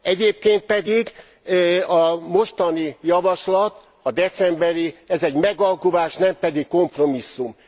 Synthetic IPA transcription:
ɛɟeːp̚keːnt̪̚pɛd̪iɡ | ɒmo̞ʃt̪ɒnijɒvɒʃlɒt̪ | ɒd̪ɛt̪sɛmbɛɾiɛzɛɟmɛɡɒlkuvaːʃnɛmpɛd̪ikko̞mpro̞misːum

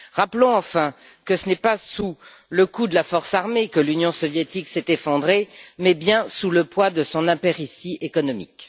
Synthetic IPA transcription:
ʁaplɔ̃ɑ̃fɛ̃ | kəsənɛpasu | ləkud̪əlafɔʁsaʁmekəlynjɔ̃sɔvjet̪iksɛt̪efɔ̃d̪ʁemɛbjɛ̃suləpwad̪əsɔ̃nɛ̃peʁisiʔekɔnɔmḭk

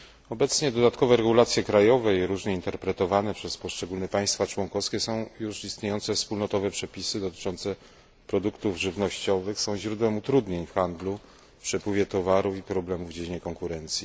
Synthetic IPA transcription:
ɔbɛt̪sɲɛd̪ɔd̪at̪kɔvɛɾɛɡulat̪sʲjɛkɾajɔvɛiɾuʐɲɛint̪ɛɾpɾɛt̪ɔvanɛpʂɛspɔʂt͡ʂɛɡulnɛpaj̃st̪fat͡ʂwɔŋkɔfskʲɛsɔ̃w̃juʂist̪ɲejɔnt̪sɛfspulnɔt̪ɔvɛpʂɛpʲisɘd̪ɔt̪ɘ̥t͡ʂɔnt̪sɛ | pɾɔd̪ukt̪uvʐɘvnɔɕt͡ɕɔvɘxsɔ̃w̃ʑɾud̪wɛmut̪ɾud̪ɲeɲfxand̪lu | pʂɛpwɘvʲjɛt̪ɔvaɾufipɾɔblɛmuvd͡ʑed͡ʑiɲɛkɔŋkuɾɛnt̪sʲji

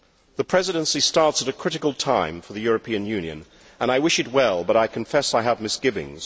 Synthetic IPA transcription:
ðɨpʰɹ̥ɛzɨɾɨ̃nsistɑɹtsəɾɨkʰɹ̥ɪɾɨklˠtʰãɪ̃ɱfə˞ðɨjʊɹɨpʰĩɨ̃njʉ̃njɨ̰̃n | ə̃ñaɪwɪʃɨt̚wɛlˠbʌɾaɪkʰɨ̃ɱfɛsaɪəvmɨsɡ̥ɪvɪ̰̃ŋz̥

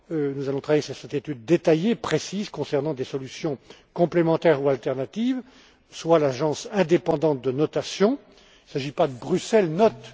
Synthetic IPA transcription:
nuzalɔ̃t̪ʰχavajesyʁsɛt̪et̪yd̪̚ːet̪ajepχesizkɔ̃sɛʁnɑ̃d̪esɔlysjɔ̃kɔ̃plemɑ̃t̪ɛʁualt̪ɛʁnat̪iv | swalaʒɑ̃sɛ̃d̪epɑ̃d̪ɑ̃t̪̚d̪ənɔt̪asjɔ̃ | ilsaʒipad̪əbʁysɛlnɔt̪

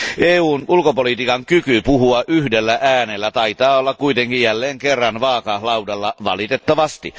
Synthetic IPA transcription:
ʔeːuːnulkopolit̪iːkɑŋkykypuhuɑʔyhdelːæʔæːnelːæt̪ɑit̪ɑːolːɑkkuit̪eŋkijjælːeːŋkerːɑnʋɑːkɑlɑwdɑlːɑʋɑ̰lit̪et̪ːɑʋɑst̪i

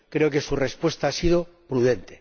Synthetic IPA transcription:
kɾe̞oke̞sure̞spwe̞st̪aasið̞o̞pɾuðe̞nt̪e̥

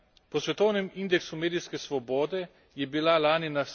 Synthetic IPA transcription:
pɔsʋɛt̪ɔwnɛmind̪ɛksumeːd̪ijskɛsʋɔbɔːd̪ɛ | jɛbilalaːninas

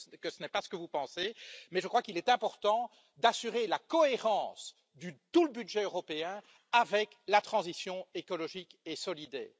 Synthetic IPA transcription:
kəsənɛpasə̥kəvupɑ̃semɛʒəkχwakilɛt̪ɛ̃pɔʁt̪ɑ̃ | d̪asyʁelakɔeʁɑ̃ːs | d̪ət̪uləbyd̪ʒɛøʁɔpeɛ̃ | avɛk | lat̪χɑ̃zisjɔ̃ekɔlɔʒikesɔlid̪ɛ̰ːʁ

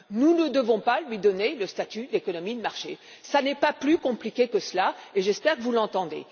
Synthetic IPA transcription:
nunəd̪əvɔ̃palɥid̪ɔneləst̪at̪yd̪ekɔnɔmid̪əmaʁʃḛ | sanɛpaplykɔ̃plikʲekəslaeʒɛspɛʁkəvulɑ̃t̪ɑ̃d̪ḛ

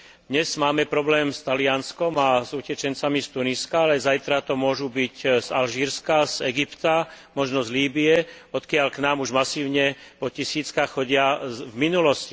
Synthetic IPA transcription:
d̪ɲɛz̥maːmɛpɾɔblɛːmst̪alɪanskɔmazucɛt͡ʃɛnt͡samist̪uniskaalɛzajt̪ɾat̪ɔmʊɔʒubiczalʒiːɾskazɛɡipt̪a | mɔʒnɔzliːbiɛ | ɔt̪kɪaʎknaːmuʒmasiːʊɲɛpɔcisiːt͡skaxxɔɟɪavminulɔsci

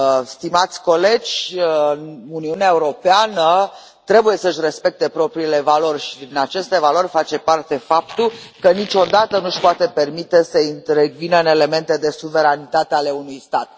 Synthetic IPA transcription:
st̪imat̪sʲko̞le̞d͡ʒʲ | nuniuneaeuɾo̞peanə | t̪ɾe̞buje̞səʃ̬ʲre̞spe̞k̚t̪e̞pɾo̞pɾiːle̞valo̞rʲʃid̪inat͡ʃe̞st̪e̞valo̞rʲfat͡ʃe̞part̪e̞fap̚t̪ukənit͡ʃo̞d̪at̪ənuʃpoat̪e̞pe̞rmit̪e̞səint̪ɾe̞ɡvinəne̞le̞me̞nt̪e̞d̪e̞suve̞ɾanit̪at̪eale̞unujst̪at̪̚

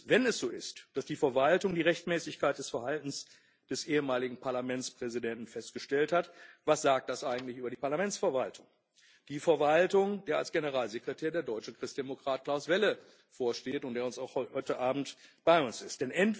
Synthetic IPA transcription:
vɛnɛsz̥oːɪstd̥asd̥iːfɛɐvaltʊŋdiːʁɛçtmɛːsɪçkaɪt̚d̥ɛsfɛɐhaltn̩s | d̥ɛsʔeːəmaːlɪɡŋ̩pʰaɐlamɛnt͡spʁ̥ɛzidɛntn̩fɛstɡ̥əʃtɛlthatvasz̥aːk̚t̚d̥asʔaɪɡŋ̩tlɪçʔyːbɐɾiːpaɐlamɛnt͡sfɛɐvaltʰʊŋ | d̥iːfɛɐvaltʊŋd̥eːɐalsɡ̥enəʁaːlzekʁ̥ətʰɛːɐdeːɐdɔʏt͡ʃəkʁ̥ɪstd̥emokʁ̥aːt̚kl̥aʊsv̥ɛlə | foːɐʃteːtʊnt̚d̥eːɐʊnsaʊxhɔɔʏtəʔaːbm̩tb̥aɪʊnsɪstd̥ɛnʔɛnt

